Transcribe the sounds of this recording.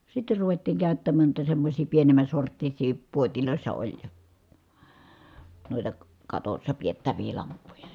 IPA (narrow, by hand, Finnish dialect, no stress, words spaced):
sitːe ruʋetːiːŋ kæˑy̞tːæmæːn nuitɑ semːosʲiː pienemˑæn̞ sortːisiː puotiloˑi̯sːɑ olʲ noˑitɑ kɑtosːɑ pietːæʋiː lɑmpːujɑ